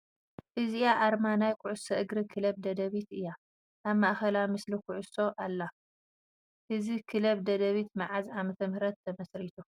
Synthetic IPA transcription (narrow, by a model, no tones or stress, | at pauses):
ʔɨziaʔaɾmanajkʰʊʕʊsɐʔɨɡɾɨkʰɨlɐβd̪ɐd̪ɐβit̪ɨjːa | ʔaβmaʔxɐlamɨslikʰʊʕʊso̞ʔalːa | ʔɨzikʰɨlɐβd̪ɐd̪ɐβit̪maʕazamɐt̪ʰɐmhɨɾɐt̪ʰːɐmɐsɾit̪ʰu